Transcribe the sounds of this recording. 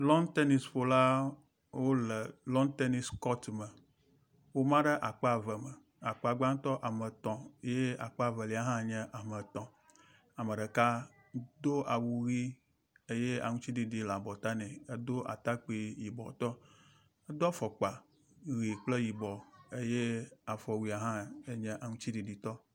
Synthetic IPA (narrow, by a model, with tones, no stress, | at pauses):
lɔ̃˦nt̪e˦ni˨sfo˨la˦ | wo˦lə˨lɔ̃˦nt̪e˦ni˨skɔ˦t̪mə˨ | wo˦mã˦ɖə˦ʔa˨k͡pa˨və˨mə˨ | a˨k͡pa˨ɡ͡ba˦ŋ˦t̪ɔ˦ʔa˨mə˨t̪ɔ̃˨˦je˦a̰˨k͡pa˨və˨li˨a˦ɦã˦ɲɛ̃˦ʔa˨mə˨t̪ɔ̃˨ | a˨mə̃˨ɖə˨ka˦ | d̪o˦ʔa˨wu˨ɣi˦ | e˦je˦a̰˨ŋũ˦t͡ɕi˦di˨ɖi˨la˨bɔ˨t̪a˦nɛ̃˨e˦d̪o˦ʔa̰˨t̪a˦k͡pi˦ji˨bɔ̰˨t̪ɔ˦ | ə˦d̪ɔ˦fɔ˨k͡pa˨ | ɣi˨k͡plə˦ji˨bɔ˨e˦je˦a˨fɔ˨wi˨a˨ɦã˦e˦ɲɛ̃˦ʔa˨ŋũ˦t͡ɕi˦di˨ɖi˨t̪ɔ˦